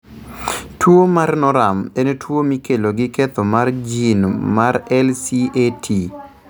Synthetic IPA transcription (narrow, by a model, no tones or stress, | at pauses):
twomarnɔɾamenetwomikeloɡɪket̪omard͡ʒinmaɾɛlsietʰi